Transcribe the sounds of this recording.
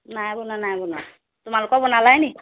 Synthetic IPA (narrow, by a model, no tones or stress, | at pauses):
najbunanajbunɔ | tumalukɔbɔnalajni